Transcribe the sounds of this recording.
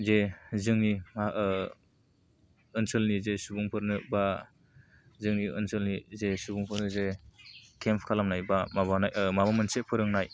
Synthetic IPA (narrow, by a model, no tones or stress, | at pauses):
zezɯŋnima | ɯnsɯlnizesubuŋpʰɯɾnɯba | zɯŋniɯ̰nsɯlnizesubuŋpʰɯɾnɯze | kʰempʰkʰalamnajbamabanajmaβamɯnsepʰɯɾɯŋnaj